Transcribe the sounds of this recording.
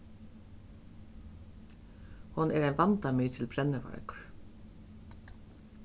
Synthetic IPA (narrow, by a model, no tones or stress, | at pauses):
hʊnɛɹæɪnʋɑnt̪amiːt̪ʰɪlpʰɾɛnːəʋa̰ɹkɹ